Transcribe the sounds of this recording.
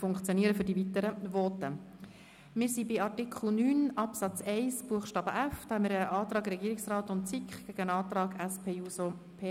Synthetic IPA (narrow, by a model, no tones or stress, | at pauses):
fʊŋkχt͡sjoniːəɾəfʏdivit̪əɾəʋɔt̪ə | mɪːɾsibɪɑrtikχl̩nyːnɑpsɑt͡sɛɪsb̥uəχʃtɑːbəʔæfd̪̥ɑːhɛmɪːɾəʔɑːt̪ɾɑːɡɾɛɡiːɾɪksrɑːtʊntt͡sikχɡ̥æɡ̥əənɑːt̪ɾɑːɡæspʰeːuːso | pʰe